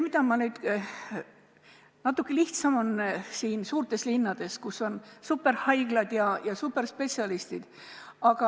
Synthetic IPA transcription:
mid̪ɑmɑnyːd̪̥ | nɑt̪ːˑukːeliht̪sɑmo̞nsiːnsuːɾrt̪e̞slinːɑd̪̥e̞skusːo̞nsupːˑe̞ɾhɑjɡ̥lɑd̪̥jɑjɑsupːe̞rspe̞t̪siɑlist̪id̪̥ | ɑɡ̥ɑ

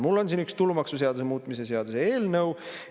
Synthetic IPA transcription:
mulːo̞nsiːnykst̪ulumɑksuseɑd̪usemuːt̪ˑmise̞seɑd̪̥useeːlnɤw

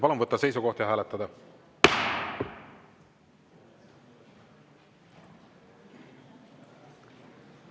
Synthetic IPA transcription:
pɑlunvɤt̪ːɑse̞jsuko̞ht̪jɑɦæːlɛt̪ːˑɑd̪ɑ

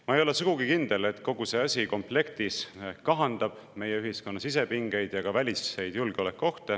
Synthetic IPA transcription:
mɑejo̞le̞suɡ̥uɡ̥ikind̪̥e̞le̞t̪ːˑko̞ɡ̥use̞ɑsʲiko̞mple̞kt̪iskɑɦɑnd̪ɑb̥ | me̞jeyɦisko̞nːɑsis̬e̞piŋɡ̥e̞jd̪̥jɑkɑvælʲisːe̞jd̪̥julɡ̥eo̞le̞kːˑo̞ht̪e

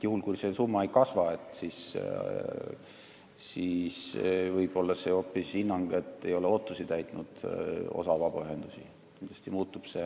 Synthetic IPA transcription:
juhulkujse̞sumːɑejkɑsvɑe̞t̪ˑsis | sisvɤjb̥o̞lːɑse̞o̞pːˑisinːɑŋɡ̥e̞t̪ːe̞jo̞leo̞t̪ːˑusit̪æjt̪ːˑnud̪̥o̞̰sɑvɑb̥ɑyɦe̞nd̪̥usḭ | kind̪l̥ɑ̥st̪imuːt̪ːˑub̥se̞

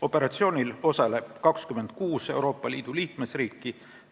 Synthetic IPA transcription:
o̞pːe̞ɾɑt̪sio̞ːnʲilo̞sɑleb̥̚kɑkskyme̞nd̪̚kuːse̞uwɾo̞ːpːˑɑliːd̪̥uliːkme̞sriːkːi

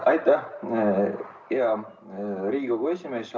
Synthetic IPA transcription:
ɑjt̪ˑːæh | jɑ | ɾiːɡoɡ̥uesʲimeːs

